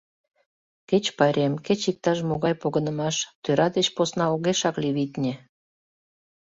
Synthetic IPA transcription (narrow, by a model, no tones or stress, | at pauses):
ket͡ɕpɑɾʲemket͡ɕik̚t̪ɑʃmoɣɑjpoɣənəmɑʃt̪øɾɑd̪et͡ɕposnɑoɣeʃɑkliβit̪ʲnʲe